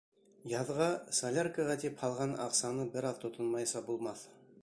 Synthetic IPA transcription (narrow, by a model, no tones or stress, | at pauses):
jɑðʁɑsɐlʲarkəʁɑt̪iphɑlˠʁɑnɑ̰qsɑnɤbɘɾɑðt̪ʰŏt̪ʰɤnmɑjsɑbulˠmɑθ